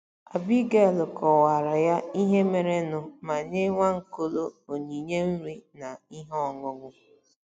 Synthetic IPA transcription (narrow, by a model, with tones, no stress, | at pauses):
a˨bi˦ɡe˦˨lʊ˨kʰɔ˨wa˨ɾa˨ja˦i˦ɦe˦me˨ɾe˦nʊ˨ma˨ɲe˦ŋʷa˦ŋ̩˨ko˦lo˦o˨ɲi˨ɲe˦m̩˦ɾi˦na˨i˦ɦɔ˨ŋʊ˦ŋʷʊ˦